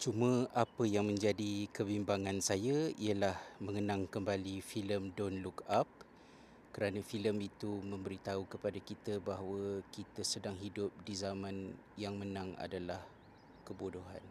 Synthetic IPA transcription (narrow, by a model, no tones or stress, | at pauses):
t͡ʃumə̃apəjaŋmə̃ɲd͡ʒadikəbimbaŋansajaiəlahməŋənãŋkəmbalifiləmdɔnlukap̚ | kəɾanãfiləmit̪umə̃mbəɾit̪aukəpadakit̪əbaɦwəkit̪əsədaŋɦidʊp̚dizamãn | jaŋmənãŋa̰dalah | kəbodoɦa̰n